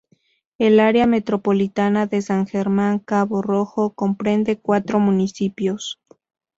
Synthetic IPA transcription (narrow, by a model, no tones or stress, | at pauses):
e̞laɾeame̞t̪ɾo̞po̞lit̪anaðe̞saŋxe̞ɾmãŋkaβoro̞xo̞ko̞mpɾe̞nd̪e̞kwat̪ɾo̞mũnisipjo̞s